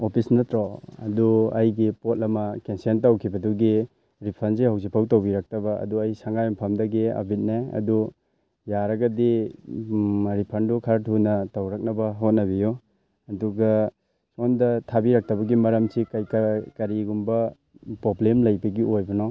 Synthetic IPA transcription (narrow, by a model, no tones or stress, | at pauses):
opʰisnɐtɾoɐ̰duɐjɡipot̚lɐmɐkensentawkʰibɐduɡi | ɾipʰɐns̬ihawzipʰawtowbiɾak̚tɐbɐɐ̰duɐjsaŋɡajmpʰɐmdɐɡiɐ̰bʱit̚neɐ̰du | jaɾɐɡɐdi | ɾipʰɐndukʰaɾtʰunɐtawɾɐk̚nɐbɐɦot̚nɐbijɔ | ɐduɡɐ | sondɐtʰabiɾak̚tɐbɐɡimɐɾɐmsikajkkɐɾiɡumbɐ | pɾoblemlɐjbɐɡiʔojbɐnɔ